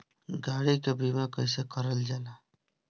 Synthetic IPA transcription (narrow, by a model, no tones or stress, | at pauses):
ɡaːɽikebʱimakəɪsekəɾəld͡ʒaːla